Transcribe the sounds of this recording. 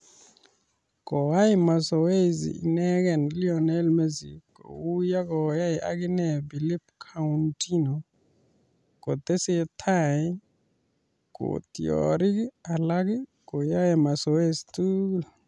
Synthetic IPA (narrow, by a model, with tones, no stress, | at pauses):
kɔ˨wa˦jima˨sɔ˨we˦zḭḭnɛ˦kɛ˨nli˦ɔnɛ˦lme˦zḭko̰˨wu˦ja˦kɔja˦jiʔa̰k̬i˦nɛ˨bi˨li˦pkʰauntʰʼi˦nɔ | kɔ˨t̪ɛ˦si˦t̪ʰa˦˨j | kṵt̪ḭ˨ɔ̰ɾi˦ka˨la˦k̬i˦kɔ˨ja˦jɛ˨ma˨sɔ˨we˦zituːl